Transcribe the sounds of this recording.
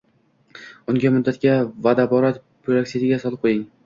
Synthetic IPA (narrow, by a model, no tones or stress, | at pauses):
ʊŋɡʲamʊd̪ːat̪̚kʲavad̪abɒɾat̪ | b̥akʲsid̪ɪɡʲasɒlˠɨp̚qʰojɪŋ